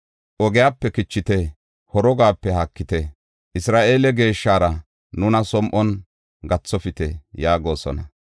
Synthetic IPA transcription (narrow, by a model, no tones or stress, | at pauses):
ʔɔɡɪjaːpːɛkɪt͡ʃːɪt̪ɛ | hɔɾɔɡaːpːɛhɐkːɪt̪ɛ | ʔɪsɾaːʔe̞ːlɛɡe̞ːʃːaːɾɐ | nʊnɐsɔmʔɔn | ɡɐt͡sːɔfɪt̪ɛjaːɡo̞ːsɔ̰nɐ